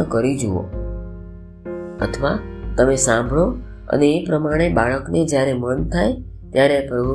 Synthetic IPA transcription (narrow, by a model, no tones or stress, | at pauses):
əkəɾid͡ʒuo̰ | ə̰t̪ʰəʋat̪əmesãmbʱɭo | ə̰neːpɾəmaɽ̃ebaɭəkned͡ʒjaɾemənt̪ʰaj | t̪jaɾeapɾəbʱu